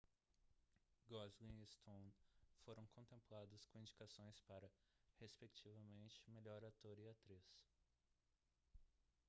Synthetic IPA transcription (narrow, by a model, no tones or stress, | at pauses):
ɡɔzɡĩɪst̪ʰõnfoɾɐ̃w̃kʰõnt̪ẽmplad̪ɐskõĩd͡ʒikasõj̃spaɾɐhespekt͡ʃivɐmẽnt͡ʃɪ̥meʎɔɾat̪oɾɪat̪ɾis